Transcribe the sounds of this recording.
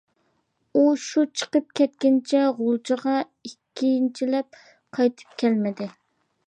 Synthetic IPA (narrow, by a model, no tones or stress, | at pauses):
uʃut͡ʃʰə̥qəp̚kʲʰɛt̪̚kʲɪnt͡ʃʰɛʁolˠt͡ʃʰəʁɑ | ikʲʰːint͡ʃʰilɛp̚ | qʰɑjt̪ʰɨ̥p̚kʲʰɛlmɪd̪ɪ